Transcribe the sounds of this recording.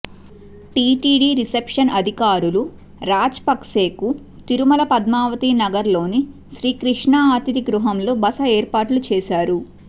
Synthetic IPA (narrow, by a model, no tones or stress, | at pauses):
ʈiːʈiːɖiːɾisepʂɐnʔɐd̪ʱikaːɾulu | ɾaːd͡ʒpɐkse̞ːku | t̪iɾumɐlɐpɐd̪maːʋɐt̪inɐɡɐɾlo̞ːni | ʃɾiːkɾiʂɳaːaːt̪id̪iɡɾuɦɐmlo̞ːbɐsɐeːɾpaːʈlut͡ʃɛːʃaːɾu